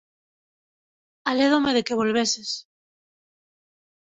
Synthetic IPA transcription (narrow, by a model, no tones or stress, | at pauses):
aleð̞omeðekeβ̞olβ̞eses